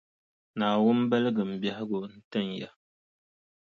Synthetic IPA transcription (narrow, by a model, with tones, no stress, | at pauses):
naː˨wʊ˦m˦bɛ˦lɨ˦ɡɨ˨m̩˨bja˦hɪ˦ɡʊ˨n̩˦tɨ˦˨nja˨